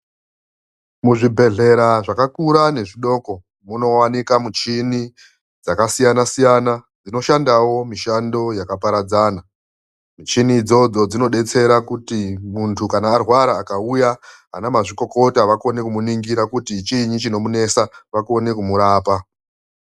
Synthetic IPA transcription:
muʐibʱe̞ɮe̞ɾaʐakakuɾane̞ʐiɗo̞ko̞ | muno̞wanikamut͡ʃini | d͡zakasijanasijana | d͡zino̞ʃandawo̞miʃando̞jakapaɾad͡zaːna | mut͡ʃinid͡zo̞d͡zo̞d͡zino̞ɗe̞t͡se̞ɾakutimuntʰukanaːrwaɾaːkaujaɦa̰namaʐiko̞ko̞taʋako̞ne̞kumuniŋɡiɾakutit͡ʃiɲit͡ʃino̞mune̞saʋako̞ne̞kumuɾaːpa

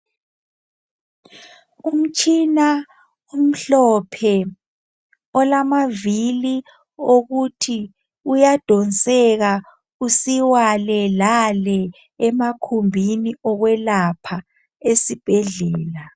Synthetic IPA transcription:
um̩t͡ʃʼina | um̩ɬɔpʰɛ | ɔlamavili | oɣutʰi | ujad̥ʱɔnsʼɛɣa | usiwalɛlalɛ | ɛmakʰumbʱiniɔɣwɛlapʰa | esib̥ʱɛɮɛːla

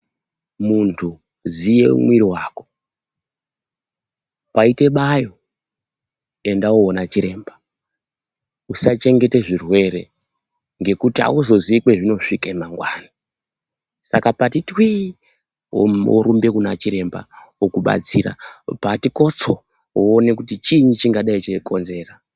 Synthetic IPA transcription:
muntʰu | zije̞̰ṵmwiɾiwaːko̞̥ | paite̞ɓajo̞ | e̞ndaoonat͡ʃiɾe̞ːmba | usat͡ʃe̞ŋɡe̞te̞ʐirwe̞re̞̰ | ŋɡe̞kutia̰uzo̞zikwe̞ʐino̞ʂikemaŋɡwaːna | sakapatitwḭ | o̰ɾumbe̞kunat͡ʃiɾe̞mba̰ | okuɓa̰t͡siɾa̰patiko̞t͡soː | ne̞kutit͡ʃiɲit͡ʃiŋɡaɗait͡ʃeko̞nze̞ːra

